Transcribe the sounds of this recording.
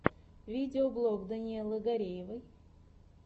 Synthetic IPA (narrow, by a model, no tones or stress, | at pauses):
vʲidʲɪoblˠoɡd̪ɐnʲɪelˠɨɡɐɾʲejvɨj